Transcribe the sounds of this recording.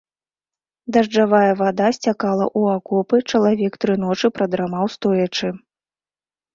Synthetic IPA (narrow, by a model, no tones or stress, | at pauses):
d̪ɐʐd͡ʐavajɐvad̪asʲt͡sʲakalˠɐ̰ʔuakɔpɨt͡ʂɐlˠavʲɛkt̪ɾɨn̪ɔt͡ʂɨpɾɐd̪ɾamawst̪ɔjɐt͡ʂɨ